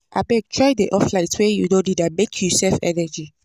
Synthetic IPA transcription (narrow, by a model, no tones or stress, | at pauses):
ʔabɛk̚tʰɹɔjdeʔɔflaɪtswɛjudõdidamekʰjusɛlfɛ̰nɛd͡ʒi